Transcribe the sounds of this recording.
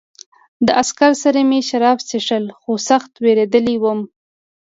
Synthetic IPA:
d̪əʔaskaɾsaɾameʃaɾɑfsiʂəlxosaxt̪weɾed̪əliwəm

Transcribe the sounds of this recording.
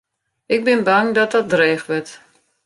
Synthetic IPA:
ɪɡ̚bɪnbaŋdɔt̚dɔt̚dreːxʋət

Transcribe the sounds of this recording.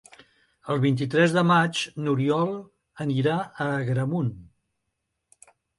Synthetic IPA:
əlˠβint̪̬it̪ɾɛzðəmat͡ʃnuɾiɔlˠ | əniɾaəɣɾəmun

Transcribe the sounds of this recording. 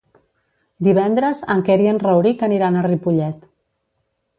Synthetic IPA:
d̪iβ̞ɛnd̪ɾəzəŋkɛɾiənrəwɾikəniɾanəripuʎɛt̪

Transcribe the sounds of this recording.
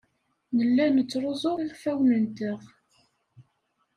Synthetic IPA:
nəlːænət͡sːɾˤozˤoʁiʁfæwnənt̪əʁ

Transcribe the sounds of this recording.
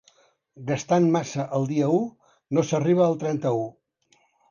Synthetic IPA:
ɡəst̪anmasəʔəlˠd̪iəu | nosəriβ̞əːlˠt̪ɾɛnt̪əu

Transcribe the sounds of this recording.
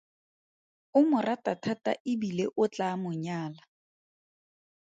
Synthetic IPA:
ʊmʊratatʰata̰ʔɪbileʔʊt͡ɬamʊɲaːla

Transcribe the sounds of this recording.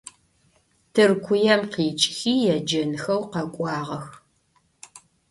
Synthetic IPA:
tʰɨrkʷʰʊjɐmqiːt͡ʃʼxiːjɛd͡ʒɐnxɐwqɐkʷʼɑːʁɐx

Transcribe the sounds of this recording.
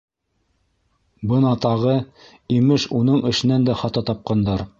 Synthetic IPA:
bɤnɑt̪ɑʁɤ | imɘʃunɤɴʔɘ̆ʃɘ̆nænd̪æχɑt̪ɑt̪ɑp̚qɑnd̪ɑɾ

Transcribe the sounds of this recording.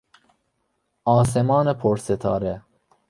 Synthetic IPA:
ɒːs̬emɒːnepʰoɾset̪ʰɒ̰ːɾe

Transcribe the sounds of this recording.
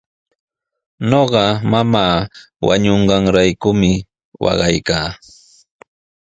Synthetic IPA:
ɲoɢɑmamaː | wa̰ɲoɴɢɑŋɾajkʊmɪ | wɑ̰ɢɑjkaː

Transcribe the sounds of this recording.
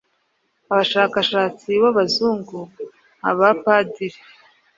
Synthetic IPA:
aβaʃaːkaʃaːt͡siβaβazuːŋɡu | ha̰βapaːdiɾe

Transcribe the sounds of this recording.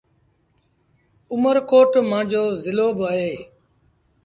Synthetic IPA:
ʊməɾkoːʈmãːd͡ʑoːzɪloːbəɦeː

